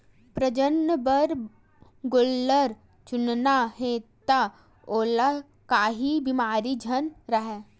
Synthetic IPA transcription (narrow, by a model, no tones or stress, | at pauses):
pɾəd͡ʒənːəbəɾ | ɡʊlːəɾ | t͡ʃʊnnaɦeːt̪a | oːla | kaːɦibimaːɾid͡ʒʱənɾɐɦɛ